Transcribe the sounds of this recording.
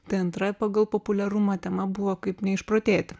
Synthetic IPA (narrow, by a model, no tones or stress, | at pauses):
t̪ɛɪɐnt̪ɾɐpɑɡɐlˠpopʊlʲɛɾʊmɐt̪ʲɛmɐbʊʋokɐɪpnʲɛɪʃpɾot̪ʲeːt̪ʲɪ